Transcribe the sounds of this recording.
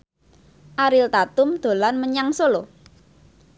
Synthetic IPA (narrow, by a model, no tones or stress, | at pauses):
ʔaɾɪlt̪at̪ʊmd̪̥o̤lanməɲaŋsolo